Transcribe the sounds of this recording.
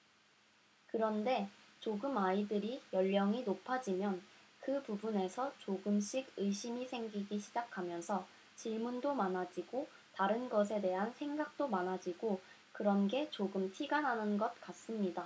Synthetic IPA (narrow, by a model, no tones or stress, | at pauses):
kɯɾʌnde̞t͡ɕoɡɯmaidɯɾijʌʎːʌŋinopʰad͡ʑimjʌnkɯpubune̞sʰʌt͡ɕoɡɯmɕ͈iɡɯjɕ͈imisʰe̞ŋɡiɡiɕʰid͡ʑakʰamjʌnsʰʌ | t͡ɕiɭmundomanɦad͡ʑiɡo | taɾɯnɡʌs̬ʰe̞de̞ɦansʰe̞ŋɡak̚t͈omanɦad͡ʑiɡo | kɯɾʌnɡe̞t͡ɕoɡɯmtʰiɡanɦanɯnɡʌt̚k͈as͈ɯmɲida